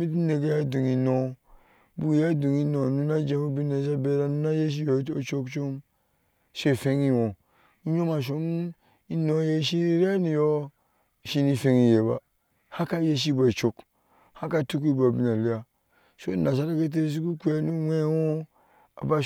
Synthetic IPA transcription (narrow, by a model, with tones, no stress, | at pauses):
mi˦t̬i˦ne˨ɡe˦ja˦du˨ŋi˨no˨ | bu˦˨˦ja˦du˨ŋi˦no˨nu˦na˦d͡ʒe˦mu˦bi˦na˨s̬a˦be˦ɾa˦nu˦na˦je˦ʃ̬i˦jo˨˦o˦t͡ʃo˦kt͡ʃo˦m | ʃe˦˨fe˦ŋi˦wõ˨ | i˦ɲo˦ma˨ʃ̬o˦m | i˦no˨˦je˦ʃi˦ɾi˦a˦ni˨jo˦˨ | ʃi˦ni˨fe˨˦ŋi˨je˨ba̰˨ | ha˦ka˦je˦ʃ̬i˦ba˨i˨t͡ʃo˦k | ha˦ka˦˨tu˦k̬i˦ba˨bi˦na˨li˦ja˨ | so˦na˨s̬a˦ɾa˦ke˦t̬e˦s̬u˦ku˦ku˦ja˨nu˦we˦wo˦ | a̰˨ba˦